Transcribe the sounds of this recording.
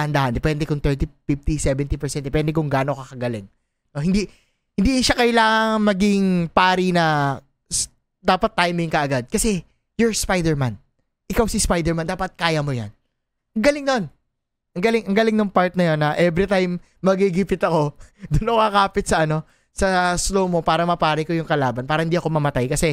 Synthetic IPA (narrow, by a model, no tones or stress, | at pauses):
hɐnd̪ahɐnd̪ɛpɛnd̪ɛkʊŋt̪ɛɹt̪ifɪft̪isɛvɛnt̪ipɛɹsɛ̃n̚d̪ɛpɛnd̪ɛkʊŋɡaːnokɐkɐɡɐlɪŋ | nohɪ̃nd̪i | hɪnd̪iːnʃakɐʔjlaːŋɐŋŋmɐɡɪŋpaːɾinɐ | s | d̪aːpɐt̪ːajmɪŋkɐʔɐɡad̪̚kɐsɛ | jʊɹspajd̪ɛɹman | ʔɪkawsɪspajd̪ɛɹmand̪aːpɐt̪̚kaːjɐmo̞ja̰n | ʔɐŋɡɐlɪŋnon | ʔɐŋɡɐlɪŋʔɐŋɡɐlɪŋnʊŋpaɹt̪̚nɐjo̞nːɐʔɛvɾit̪ajmː | ɐɡiɡipɪt̪ɐko̞d̪ʊnːɐŋkɐkaːpɪt̪̚sɐʔɐno̞ | sɐslowmo̞paːɾɐmɐpaːɾɪkojʊŋkɐlaːbɐnpaːɾɐhɪnd̪iːɐko̞mɐmɐt̪ajkɐsɛ